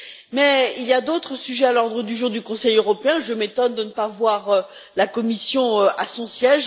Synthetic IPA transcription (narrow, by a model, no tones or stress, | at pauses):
mɛilijad̪ot̪χəsyʒɛalɔʁd̪ʁəd̪yʒuʁd̪ykɔ̃sɛjøʁɔpeɛ̃ʒəmet̪ɔnd̪ənəpavwaʁø | lakɔmisjɔ̃øʔasɔ̃sjɛʒ